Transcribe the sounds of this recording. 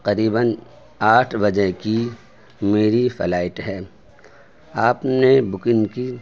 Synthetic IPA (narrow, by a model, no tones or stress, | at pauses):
qɐɾiːbən | aːʈʰbɐd͡ʒeɦki | meːɾifʰɐ̰laːɪʈɦɛː | aːpnebʊkɪ̃nki